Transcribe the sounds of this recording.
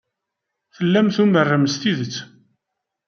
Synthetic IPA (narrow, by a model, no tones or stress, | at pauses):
θəlːæmθumərːəməst̪iðət͡sː